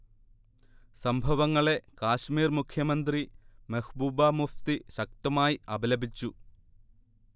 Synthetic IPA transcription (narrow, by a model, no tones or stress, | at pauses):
sɐmbʱɐʋɐŋːɐɭe̞kaːɕmiːrmukʰjɐmɐnd̪rimɐhbuːbaːmuft̪iɕɐk̚t̪ɐmaːjiɐbɐlɐbʱit͡ɕːu